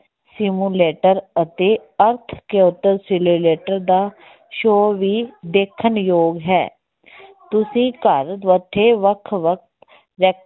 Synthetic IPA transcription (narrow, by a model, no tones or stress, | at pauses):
sɪmuːleːʈəɾət̪eːəɾt̪ʰkeʊt̪ːəɾsɪluːleːʈəɾd̪aː | ʃoːʋiːd̪eːkʰːənjoːɡɦɛ̰ː | t̪ʊsĩːkəɾʋəʈ̪ʰːeːʋəkʰʋək̚ʰt̪ | ɾɛː